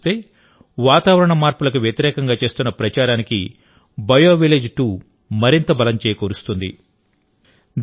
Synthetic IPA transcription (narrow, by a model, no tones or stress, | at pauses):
t̪e̞ː | ʋaːt̪aːʋɐɾɐɳɐmaːɾpulɐkuʋjɐt̪iɾɛːkɐŋɡaːt͡ʃe̞ːst̪unːɐpɾɐt͡ʃaːɾaːnikḭ | bɐjoːʋile̞ːd͡ʒʈuː | mɐɾint̪ɐbɐlɐmt͡ʃeːjɐkoːɾust̪und̪ḭ